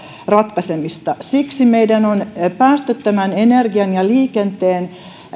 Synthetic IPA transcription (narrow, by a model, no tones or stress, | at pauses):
rɑt̪kɑsemist̪ɑsiksimeidænonpæːst̪et̪ːæmænenerɡiɑnjɑliːkent̪eːn